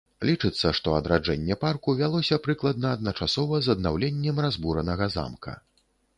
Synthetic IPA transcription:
lʲit͡ʂɨt̪sːɐʂt̪ɔɐd̪ɾad͡ʐɛnʲːɛparkuvʲalˠɔsʲɐpɾɨklˠɐd̪̚nɐːd̪̚nɐt͡ʂasɔvɐzɐd̪nawlʲenʲːɛmrazbuɾɐnɐɣɐza̰mkʰɐ̰

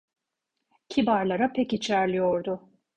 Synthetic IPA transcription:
cʰibaɾlˠaɾapʰɛcit͡ʃʰæɾlʲijo̞ɾd̪ʊ

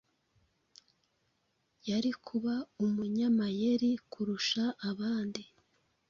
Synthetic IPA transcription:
jaɾikʰuβaumuɲamaje̞ɾikʰuɾuʃaːβaːndi

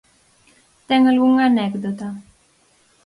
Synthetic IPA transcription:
t̪ɛŋalɡuŋanɛɡd̪ot̪a

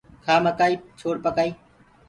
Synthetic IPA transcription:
kʰaːməkaːiːt͡ʃʰoːɽpəkaːiː

